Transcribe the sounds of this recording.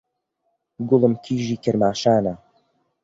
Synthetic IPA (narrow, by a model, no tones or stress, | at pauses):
ɡʊləmkʰiːʒiːkʰəɾmaːʃaːna